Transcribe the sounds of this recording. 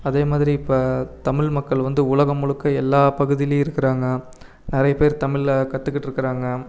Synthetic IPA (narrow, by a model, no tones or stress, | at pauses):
ɐðeːmaːðɪɾiɪpːɐːt̪ɐmɪɭmɐkːɐɭʋɐnd̪ɯʊɭɐɣɐmʊɻɯkːɐɛlːaːpɐɣɯðɪleɪɾɯkːɪɾaːŋɡɐ | nɪɾɐjɐpeːɾt̪ɐmɪɭkɐt̪ːɯkːɪʈːɪɾɯkːɪɾaːŋɡɐ